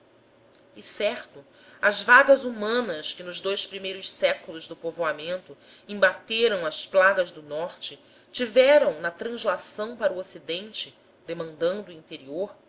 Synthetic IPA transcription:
ɪsɛɾt̪ʊ | ɐzvaɡɐzumɐ̃nɐskɪnʊzd̪ojspɾimejɾʊʃsɛkulʊzd̪ʊpovoamẽnt̪ʊ | ĩmbat̪eɾɐ̃w̃ɐsplaɡɐzd̪ʊnɔɾt͡ʃɪ | t͡ʃivɛɾɐ̃w̃nɐt̪ɾɐ̃zlasɐ̃w̃paɾuosid̪ẽnt͡ʃɪ | d̪emɐ̃nd̪ɐ̃nd̪uĩnt̪eɾioɾ

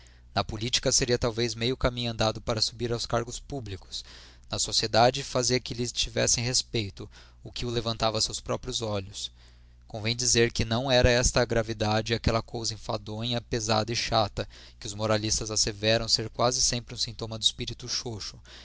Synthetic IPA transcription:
nɐpolit͡ʃi̥kɐseɾiɐt̪awvejzmejʊkamĩɲʊɐ̃nd̪ad̪ʊpaɾɐsubiɾawskaɾɡʊspublikʊ̥s | nɐsosied̪ad͡ʒɪfaziɐkɪlɪt͡ʃivɛ̰sẽj̃hespejt̪ʊ | ʊkɪʊlevɐ̃nt̪avɐsewspɾɔpɾijʊzɔʎʊs | kõvẽj̃d͡ʒizeɾkɪnɐ̃w̃ɛɾɐɛst̪ɐɡɾavid̪ad͡ʒɪakɛlɐkowzɐĩfad̪õɲɐpeza̰d̪ɐɪʃat̪ɐ | kɪʊzmoɾalist̪ɐzasevɛɾɐ̃w̃seɾkwazɪsẽmpɾɪũsĩnt̪õmɐd̪ʊispiɾit̪uʃoʃʊ̥

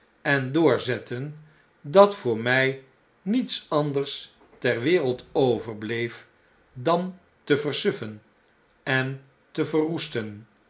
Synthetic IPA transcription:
ɛndʊːɹzɛtən | dɑtfʊːɹmɛj | nitsɑndəɹs | tɛɹʋɪːrəlˠtowvəɹblejf | dɑn | təvərsʏfən | ɛn | təvərustən

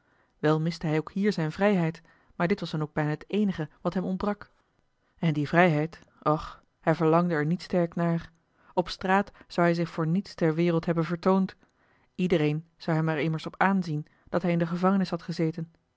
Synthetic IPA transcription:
ʋɛlˠmɪstəɦɛjowkhiːɹzɛjnvrɛjɦɛjt | maːɹdɪtʋɑsdɑnowɡ̚bɛjnaːətejnəχəʋɑtɦɛmɔnt̚brɑk | ɛndivrɛjɦɛjt | ɔχ | hɛjvəɹlɑŋdəɛɹnitstɛɹknaːɹ | ɔpstraːtz̥ɑwɦɛjzɪχfʊːɹnitstɛɹʋɪːʁəlˠtɦɛbənvəɹtownt | idəɾejn | z̥ɑwɦɛmɛɹɪməɹsɔpaːnzin | d̥ɑtɦɛjɪndəχəvɑŋənɪshɦɑtχəzejtən

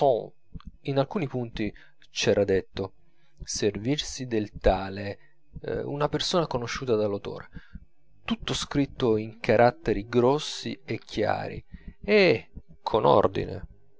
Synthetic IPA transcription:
ɔ | inalkuːnipunt̪i | t͡ʃɛːɾad̪et̪ːo | servirsid̪elt̪aːle | ṵnapersoːnakonoʃːuːt̪ad̪alːawt̪o̰ːɾe | t̪ut̪ːoskɾit̪ːoiŋkaɾʔat̪ːeɾiɡɾɔsːḭekʰːja̰ːɾḭekʰono̰rd̪ḭnḛ

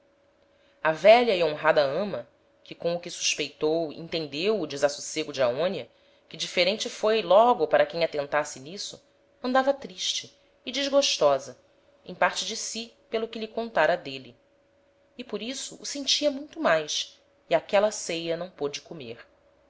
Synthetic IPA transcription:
ɐvɛʎɐiõɦad̪ɐɐ̃mɐ | kɪkõʊkɪsu̥ʃpejt̪owḛ̃nt̪ẽnd̪ewʊd͡ʒɪzɐsuseɡʊd͡ʒɪaõnjɐ | kɪd͡ʒifeɾẽnt͡ʃɪfojlɔɡʊpaɾɐkẽj̃at̪ẽnt̪asɪnisʊ | ɐ̃nd̪avɐt̪ɾiʃt͡ʃɪː | d͡ʒiʒɡoʃt̪ɔzɐ | ḛ̃j̃paɾt͡ʃɪd͡ʒɪsi | pelʊkɪʎɪkõnt̪aɾɐd̪eli | ɪpoɾisʊʔːsẽnt͡ʃiɐmũj̃t̪ʊmajʃ | iakɛlɐsejɐnɐ̃w̃pod͡ʒɪkomeɾ

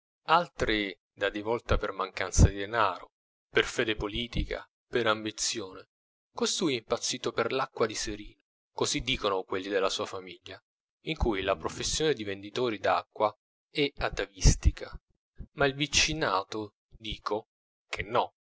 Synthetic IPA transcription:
alt̪ɾi | d̪ad̪ivɔlt̪apermaŋkant̪sad̪id̪enaːɾo | perfɛːd̪epoliːt̪ika̰ | peɾambit̪sjoːne | kost̪ujimpat̪sːiːt̪operlakːwad̪iseɾiː | kozid̪ːiːkonokwelːid̪elːasuːafamiʎːa | iŋkujlapɾofesːjoːned̪ivend̪it̪oːɾid̪akːwa | ɛat̪avist̪ikʰa | mailvit͡ʃːinaːt̪o | d̪iːkʰo | k̟ʰenːɔ

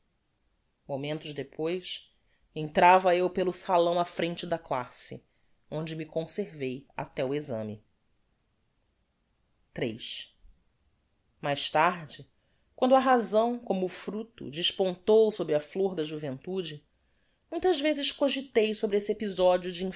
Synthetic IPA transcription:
momẽnt̪ʊʒd̪epʰojs | ẽnt̪ɾavɐewpelʊsalɐ̃w̃ɐfɾẽnt͡ʃɪd̪ɐklasɪ̰ | õnd͡ʒɪmikõseɾveja̰t̪ɛwezɐ̰̃mɪ | t̪ɾejʃ | majʃt̪aɾd͡ʒɪ | kwɐ̃nd̪ʊɐɦazɐ̃w̃kõmʊːfɾut̪ʊ̰d͡ʒɪʃpõnt̪owsobɾɪɐfloɾd̪ɐʒuvẽnt̪ud͡ʒɪ | mũj̃t̪ɐzvezɪʃkoʒit̪ejsobɾɪesɪepizɔd͡ʒiʊd͡ʒiĩ

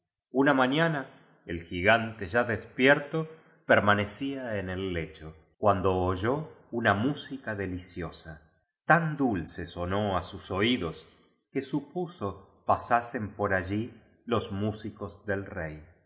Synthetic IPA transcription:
unamãɲana | elxiɣant̪eʒaðespjeɾt̪o | peɾmane̞siaene̞lːet͡ʃo | kwand̪oːʒounamusikaðe̞lisjosa | t̪and̪ulseso̞no̞asuso̞iðo̞s | kesupuso̞ | pasase̞mpo̞ɾaʒi | lo̞zmusiko̞zðe̞lrej

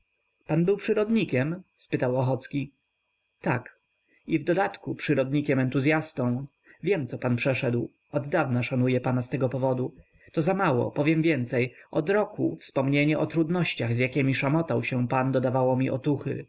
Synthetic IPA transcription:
panbɘwpʂɘɾɔd̪ɲikʲɛmspɘt̪awɔxɔt̪skʲi | t̪ak | ivd̪ɔd̪at̪kupʂɘɾɔd̪ɲikʲɛmɛnt̪uzʲjast̪ɔ̃w̃ | vʲjɛmt̪sɔpanpʂɛʂɛd̪w | ɔd̪d̪avnaʂanujɛpanast̪ɛɡɔpɔvɔd̪u | t̪ɔzamawɔ̰pɔvʲjɛmvʲjɛnt̪sɛjʔɔd̪ɾɔkṵfspɔmɲeɲɛʔɔt̪ɾud̪nɔɕt͡ɕaɣzjakʲɛmʲiʂamɔt̪awɕɛ̃pand̪ɔd̪avawɔmʲiʔɔ̰t̪uxɘ̰

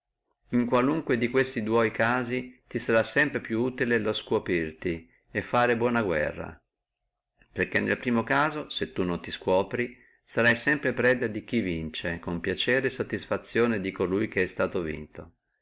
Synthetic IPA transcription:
iŋkwaluŋkwed̪ikwest̪id̪wɔjkaːzit̪isaɾasːɛmpɾepjuuːt̪ileloskwopirt̪i | efːaːɾebwɔːnaɡwɛ̰rːa̰ | perk̟enːḛlpɾiːmokaːzoset̪ːunːont̪iskwɔːpɾi | saɾajsɛmpɾepɾɛd̪ad̪ik̟ivint͡ʃekompjat͡ʃɛːɾeːsːot̪ːisfat̪sːjoːned̪ikolujk̟eɛst̪aːt̪ovḭnt̪o

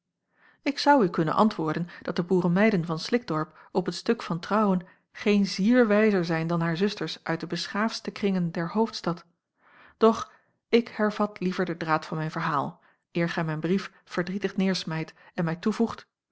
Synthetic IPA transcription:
ɪksɑwykɵnə̰nʔɑ̰ntʋʊːɹdənd̥ɑt̚dəbuːɾəmɛjdənvɑnslɪk̚d̥ɔɹpɔpətstɵkfɑntrɑwən | χejnziːɹʋɛjzəɹzɛjndɑnɦaːɹzɵstəɹsʔœɥt̚dəbəsχaːfstəkrɪŋəndɛɹɦowftstɑt | d̥ɔχ | ɪkhɛɹv̥ɑtlivəɹdədraːtfɑnmɛjnvəɹɦaːlˠ | ɪːɹχɛjmɛjnbrif | fəɹdritəχnɪːɹsmɛjtɛnmɛjtuvuχt

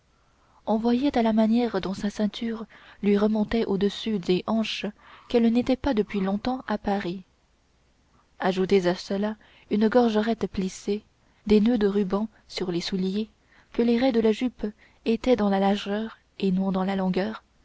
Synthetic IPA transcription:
ɔ̃vwajɛt̪alamanjɛʁd̪ɔ̃sasɛ̃t̪ʰyʁlɥiʁəmɔ̃t̪ɛʔod̪əsyd̪eʔɑ̃ʃkɛlnet̪ɛpad̪əpɥilɔ̃t̪ɑ̃ʔapaʁi | aʒut̪ezasəla | ynɡɔʁʒəʁɛt̪plise | d̪enød̪əʁybɑ̃ | syʁlesulje | kəleʁɛd̪əlaʒyp | et̪ɛd̪ɑ̃lalaʁʒœːʁ | enɔ̃d̪ɑ̃lalɔ̃ɡœːʁ

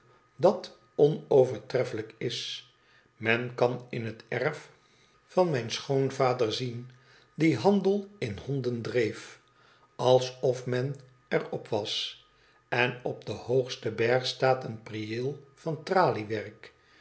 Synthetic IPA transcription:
dɑt | ɔnowvəɹtrɛfələkɪs | mɛnkɑnɪnɦətɛɹf | fɑnmɛjnsχownvaːdəɹzin | diɦɑndəlˠɪnhɔndəndrejf | ɑlˠsɔfmɛn | ɛɹɔpʰʋɑs | ɛnɔb̚dəhowχstəbɛɹχstaːtənpriɪlˠv̥ɑntraːliʋɛrk

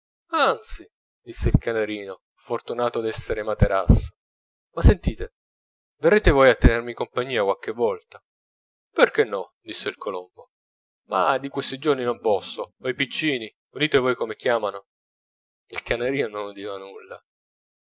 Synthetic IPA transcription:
ant̪si | d̪isːeilkaneɾiːno | fort̪unaːt̪od̪ɛsːeɾemat̪eɾa̰sːo̥ | masːent̪iːt̪e | verːeːt̪evoːjat̪ːenermikompaɲːiːakwalk̟evːɔlt̪a | perk̟enːɔd̪isːeilkʰolombo | ma̰d̪ikwest̪id͡ʒorninompɔsːoojpit͡ʃːiːni | ud̪iːt̪evoːjkomek̟jaːmano | ilkaneɾiːnononud̪iːvanulːa̰

